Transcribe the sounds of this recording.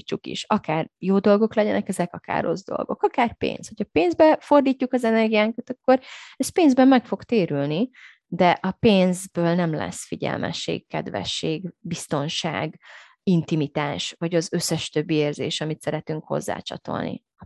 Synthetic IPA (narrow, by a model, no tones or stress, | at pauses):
t͡ʃːukḭʃɒkaːrjoːd̪o̞lɡo̞klɛɟɛnɛkɛzɛkɒka̰ːrːo̞zd̪o̞̰lɡo̞̰kɒkaːrpḛːnshocʰɒpeːnzbɛfo̞rd̪iːcːukɒzɛnɛrɡijaːŋkɒt̪ɒkːo̞ɾɛst̪̚peːnzbɛmːɛkfo̞ɡt̪eːɾylni | d̪ɛʔɒpeːnzbøːlnɛmlɛ̰sfiɟɛ̰lmʔɛ̰ʃːḛːkkːɛ̰d̪vɛ̰ʃːeːɡbist̪o̞nʃa̰ːɡ | int̪imit̪aːʃvɒɟɒzø̞sːɛʃt̪ø̞bːieːrzeːʃɒmit̪sɛɾɛt̪yŋkho̞̰zːa̰ːt͡ʃɒ̰t̪o̞̰lnḭ | ɒ